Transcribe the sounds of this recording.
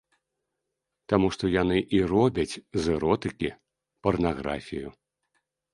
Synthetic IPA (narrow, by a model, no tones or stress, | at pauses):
t̪amuʂt̪ɔjanɨʔirɔbʲɐt͡sʲzɨɾɔt̪ɨkʲi | pɐrnaɣɾa̰fʲiju